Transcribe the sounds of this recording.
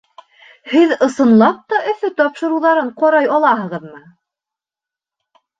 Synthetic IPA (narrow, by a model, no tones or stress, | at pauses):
hɘðɤ̆sɤ̆nlˠɑp̚t̪ɑʔɵ̆θɵt̪ɒpʃɤ̆ɾuwðɑɾɤɴqɑɾɑjɑlˠɑɦɤ̆ʁɤðmɤ